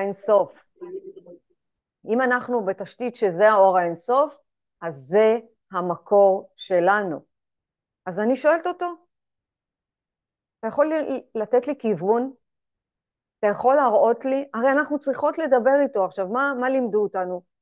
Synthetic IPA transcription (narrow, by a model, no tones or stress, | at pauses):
enso̞f | imanaχnube̞taʃtitʃe̞zeao̞ʁaenso̞f | azːe̞ | hamako̞ʁʃe̞lanu | azaniʃo̞e̞lt̪oto̞ | atajaχo̞lilat̪e̞tlikivun | atajaχo̞lːaʁo̞tliʔaʁejanaχnut͡sʁiχo̞tle̞d̪abe̞ʁito̞aχʃavmamalimd̪uːtanu